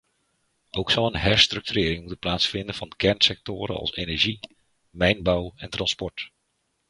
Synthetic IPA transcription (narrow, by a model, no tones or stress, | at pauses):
owksɔlˠənɦɛɹstrɵk̚tyrɪːɾɪŋmutənplaːtsfɪndənv̥ɑnkʰɛɹnsɛk̚tʊːɾə̰nɑ̰lˠsenɛɹʒi | mɛjnbawɛntrɑnspɔɹt